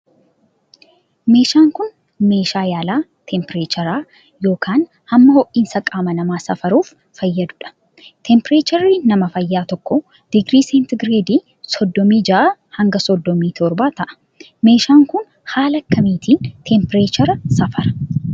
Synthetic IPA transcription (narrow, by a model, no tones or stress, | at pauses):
me̞ːʃaːŋkʊn | me̞ːʃaːjaːlaːt̪ʰɛmpɪɾeːt͡ʃɐɾaː | jo̞ːkʰaːn | hɐmːɐhɔʔiːnsɐkʼaːmɐnɐmaːsɐfɐɾuːfːɐjːɐd̪ʊᶑɐ̥ | t̪ʰɛmpɪɾeːt͡ʃɐɾinɐmɐfɐjːaːt̪ɔkːɔ | d̪̥ɪɡɾiːseːnt̪ɡɾeːd̪iː | sɔd̪ːɔmiːd͡ʒɐʔahɐŋɡɐsɔd̪ːɔmiːt̪ʰɔɾbaːt̪ɐʔɐ̥ | me̞ːʃaːŋkʊn | haːlɐkːɐmiːt̪ʰiːnt̪ʰɛmpɪɾeːt͡ʃɐɾɐsɐfɐɾɐ̥